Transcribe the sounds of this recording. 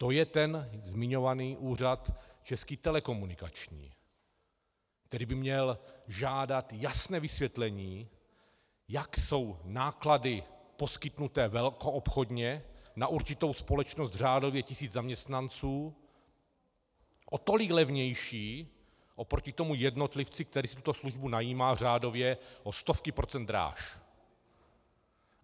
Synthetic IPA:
t̪o̞jɛt̪ɛnzmɪɲo̞vaniːʔuːr̝at̪t͡ʃɛskiːt̪ɛlɛko̞munɪkat͡ʃɲḭː | k̚t̪ɛɾiːbɪmɲɛlʒaːdat̪jasnɛːvɪsvjɛt̪lɛɲiː | jakso̞wnaːkladɪpo̞skɪt̪nut̪ɛːvɛlko̞ʔopxo̞d̪ɲɛnaʔuɾt͡ʃɪt̪o̞wspo̞lɛt͡ʃnost̪r̝aːdo̞vjɛcɪsiːd͡zzamɲɛst̪nant͡suː | ʔot̪o̞lɪklɛvɲɛjʃiː | ʔopɾocɪt̪o̞mujɛdno̞t̪lɪft͡sɪkt̪ɛɾiːsit̪ut̪o̞sluʒbunajiːmaːr̝aːdo̞vjɛʔost̪o̞fkɪpɾo̞t͡sɛnd̪ɾa̰ːʃ

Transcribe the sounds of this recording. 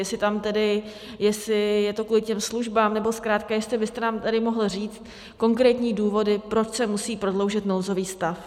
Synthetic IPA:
jɛsɪt̪amt̪ɛdɪ | jɛsɪjɛt̪o̞kuːlɪcɛmsluʒbaːmnɛbo̞skɾaːt̪̚kajɛst̪lɪbɪst̪ɛnaːmt̪adɪmo̞ɦl̩riːt͡st̪ | ko̞ŋkɾɛːt̪ɲiːduːvo̞dɪpɾot͡ʃsɛmusiːpɾo̞dlo̞wʒɪt̪no̞wzo̞viːst̪af

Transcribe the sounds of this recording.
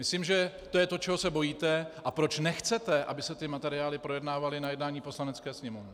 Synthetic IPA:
mɪsliːmʒɛ | t̪ojɛt̪o̞t͡ʃɛɦo̞sɛbo̞jiːt̪ɛʔapɾo̞t͡ʃnɛxt͡sɛt̪ɛʔa̰bɪsɛt̪ɪmat̪ɛɾɪaːlɪpɾo̞jɛdnaːvalɪnajɛdnaːɲiːpo̞slanɛt͡skɛːsɲɛmovnɛ

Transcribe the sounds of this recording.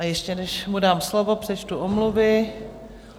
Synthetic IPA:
ajɛʃcɛnɛʃmudaːmslovo̞pr̝̥ɛt͡ʃt̪uʔomluvɪ

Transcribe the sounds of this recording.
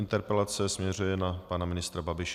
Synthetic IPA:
ɪnt̪ɛɾpɛlat͡sɛsmɲɛr̝ujɛnapanamɪnɪst̪ɾababɪʃ

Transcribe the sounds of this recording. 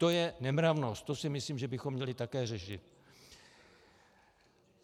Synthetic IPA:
t̪o̞jɛnɛmɾavno̞st̪t̪ːo̞sɪmɪsliːmʒɛbɪxomːɲɛlɪt̪akɛːrɛʃɪt̪

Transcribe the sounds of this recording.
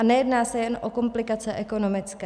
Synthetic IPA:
anɛjɛdnaːsɛjɛnʔoko̞mplɪkat͡sɛʔɛko̞no̞mɪt͡skɛ

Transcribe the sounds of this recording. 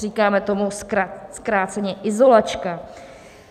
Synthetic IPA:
riːkaːmɛt̪omusaskɾaːt͡sɛɲɛʔɪzo̞lat͡ʃka

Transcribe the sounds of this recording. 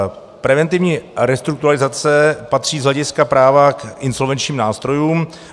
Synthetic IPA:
pɾɛvɛnt̪ɪvɲiːɾɛst̪ɾuk̚t̪uɾalɪzat͡sɛpat̪r̝̥iːzɦlɛɟɪskapɾaːvakʔɪnso̞lvɛnt͡ʃɲiːmnaːst̪ɾo̞juːm

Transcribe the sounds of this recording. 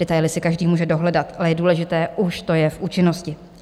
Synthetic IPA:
ɛt̪ajlɪsɪkaʒdiːmuːʒɛdo̞ɦlɛdat̪ʔalɛjɛduːlɛʒɪt̪ɛːʔuʃt̪ojɛfʔuːt͡ʃɪno̞scɪ

